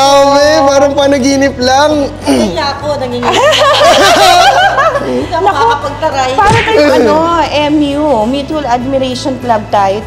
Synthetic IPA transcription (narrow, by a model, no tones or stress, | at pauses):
awɛpaːɾɐŋpɐnɐɡiːnɪp̚lɐŋ | ɐɲakonɐɡiŋ | ɐnk̪ɐopɐɡ̚t̪ɐɾajpaːɾɐt̪aɐjɐnoʔɛmjumuːt̪uɐlad̪̚mɪɾɛjʃonklɐb̚t̪aːjo